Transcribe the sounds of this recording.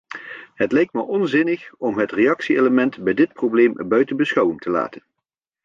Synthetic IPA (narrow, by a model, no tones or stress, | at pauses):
ɦətlɛjk̚tməʔɔnzɪnəχɔmɦətrejɑksieləmɛntbɛjdɪt̚prowblejmbœɥtənbəsχɑwəntəla̰ːtən